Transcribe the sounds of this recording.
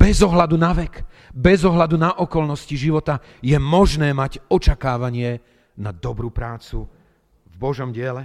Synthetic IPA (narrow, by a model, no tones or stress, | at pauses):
b̥ɛzɔɦlad̪unaʋɛk | bɛzɔɦlad̪unaʔɔkɔlnɔsciʒiʋɔt̪a | jɛmɔʒnɛːmaɟɔt͡ʃakaːʋaɲɪɛ | nad̪ɔbɾuːpɾaːt͡su | vbɔʒɔmɟɪɛlɛ